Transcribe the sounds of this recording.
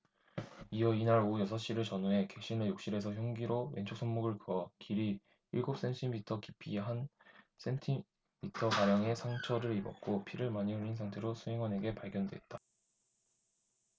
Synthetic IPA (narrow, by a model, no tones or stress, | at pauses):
iʌinaɾojʌsʰʌɕ͈iɾɯɭt͡ɕʌnuɦe̞ke̞ɕ͈inɯjok̚ɕ͈iɾe̞sʰʌçjʌŋɡiɾowe̞̰nt͡ɕʰok̚sʰʌŋmoɡɯɭkɯʌkiɾi | iɭɡop̚s͈e̞ntʰimitʰʌkipʰiɦan | s͈ʰe̞ntʰi | mitʰʌkaɾjʌŋe̞sʰaŋt͡ɕʰʌɾɯɾibʌk̚k͈opʰiɾɯɭmaɲioɾinsʰaŋtʰe̞ɾosʰuɦe̞ŋwʌne̞ɡe̞paɭɡjʌndwe̞̰t̚t͈a